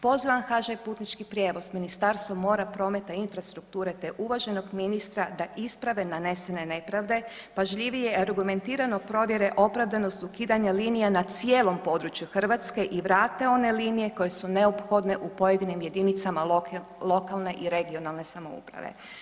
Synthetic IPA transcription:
po̞ziʋamxaʒajpuːt̪nit͡ʃkipɾʲje̞ːʋo̞sminist̪aɾst̪ʋo̞mo̞ːɾapɾo̞me̞t̪ainfɾast̪ɾukt̪uːɾe̞t̪e̞ʔuʋaʒe̞no̞ɡminist̪ɾad̪aʔispɾaʋe̞nane̞se̞ne̞ne̞pɾaʋd̪e̞ | paʒʎiʋijeaɾɡume̞nt̪iːɾano̞pɾo̞ʋje̞ɾe̞ʔo̞pɾaʋd̪ano̞st̪ukiːd̪aɲaliːnijanat̪sije̞ːlo̞mpo̞d̪ɾut͡ʃjuxr̩ʋat̪ske̞ʔiʋɾaːt̪eo̞ne̞liːnije̞ko̞je̞sune̞opxo̞d̪ne̞ʔupo̞je̞d̪inimje̞d̪init̪sama | lˠo̞kalˠne̞ʔiɾe̞ɡio̞nalˠne̞samo̞ṵpɾa̰ʋḛ

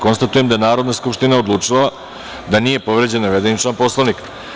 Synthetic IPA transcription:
ko̞nst̪at̪uje̞md̪ajenaːɾo̞d̪naskupʂt̪inao̞d̪lˠuːt͡ʂila | d̪aniːje̞po̞ʋɾe̞d͡ʑe̞naʋed̪enit͡ʃlˠanpo̞slaʋnik

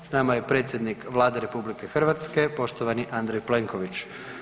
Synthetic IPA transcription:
snamaje̞pɾe̞ːt̪sjed̪nikʋlˠaːd̪eɾe̞publike̞xr̩ʋat̪ske̞po̞ʃt̪oʋaniʔand̪ɾejple̞ŋko̞ʋit͡ɕ

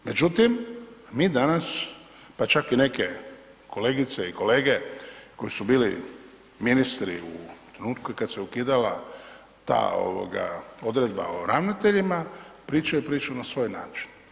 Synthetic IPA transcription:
me̞d͡ʒut̪immiːd̪anas | pat͡ʃakine̞ke̞ | kʰo̞le̞ːɡit̪seiko̞leːɡe̞ko̞jisubiːlḭ | minist̪ɾḭut̪ɾenuːt̪kujikad̪seukiːd̪ala̰ | t̪a̰ːo̞̰ʋo̰ɡa̰o̞d̪ɾed̪ba̰oɾaʋnat̪e̞ʎimapɾiːt͡ʃajupɾiːt͡ʃunasʋo̞ːjna̰ːt͡ʃi̥n

